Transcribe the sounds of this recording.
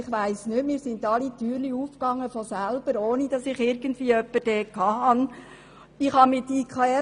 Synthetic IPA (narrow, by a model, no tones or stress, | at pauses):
ɪχʋæɪsnɪmiːɾsɪndɑlityːɾliuːfkɑŋːəfɔsælb̥əɾoːnid̥ɑsɪχɪɾɡ̥ən̩dʋiːəœpːəd̥ɛːkʰɑːɦɑn | ɪχhɑmɪtikʰχɑɛ